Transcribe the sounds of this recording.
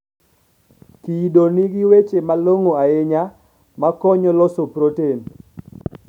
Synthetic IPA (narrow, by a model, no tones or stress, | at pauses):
kidoniɡiwet͡ʃemaloŋoaeɲa | makɔɲɔlɔsopɾoten